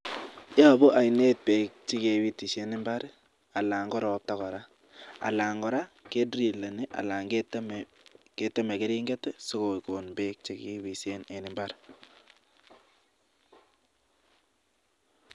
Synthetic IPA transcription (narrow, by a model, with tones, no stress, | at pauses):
ja˦˨bɔ˦ʔa˨jne˦t̚pe˨k̚t͡ʃi˦ke˨wi˦ti˨se˦nɪ˦mba˦ɾ | a˨la˨ŋɡɔ˦ɾɔ˨p̚ta˦ɣɔ˨ɾa˦ | a̰˨la˨ŋɡɔ˨ɾa˦ke˦dɾi˨le˨ni˦ʔa̰˨la˨ŋɡetm | ke˦te˦me˨ke˦ɾi˦ŋɡɛ˦tɛ˦so˦ko˨ko˨nbe˦k̚t͡ʃi˦ki˦wi˨sene˨nɪ˨mba˦ɾ